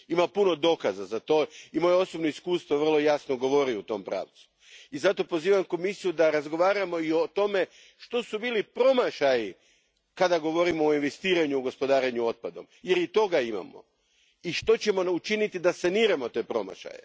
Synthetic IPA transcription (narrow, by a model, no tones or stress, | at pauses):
imapuno̞d̪o̞kazazat̪o̞imo̞jeo̞sobnoiskuːst̪ʋo̞ʋr̩lˠo̞jasnoɡo̞ʋo̞ɾiut̪o̞mpɾa̰ːʋt̪su̥ | izat̪o̞po̞ziːʋamko̞misijud̪aɾazɡo̞ʋaːɾamo̞io̞t̪o̞me̞ | ʃt̪o̞subiːlipɾo̞maʃaji | kad̪aɡo̞ʋo̞ɾimoːinʋe̞st̪iːɾaɲuːɡo̞spo̞d̪aːɾeɲuo̞t̪̚pad̪o̞mje̞ɾit̪o̞ɡaima̰mo̰ | iʃt̪o̞t͡ɕe̞mo̞ut͡ʃinit̪id̪asaniːɾamo̞t̪e̞ːpɾo̞̰ma̰ʃa̰jḛ